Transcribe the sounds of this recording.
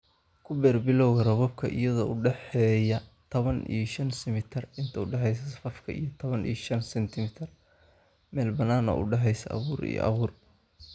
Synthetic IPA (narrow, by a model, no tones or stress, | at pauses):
kʰʊbɛːrbɪlɔwɣɐrɔβɔb̚kʰɐʔɪ̰jɐðɔːʊɖɛħɛːjɐt̪ʰɐβɐnʔḭjʃɐnsɪmɪt̪ʰɪrɪnt̪ʰɐʊɖɛħɛjs̬ɐsɐfɐfkʰɐ̰ḭjɞt̪ʰɔβɐnḭjʃɐnsɛnt̪ʰɪmɪt̪ʰɪr | mɛːlbɐnaːnɔ̰ːʔʊ̰ɖɑħɛjsɐʔɐ̰βuːɾḭjɔ̰ʔɐ̰βuːr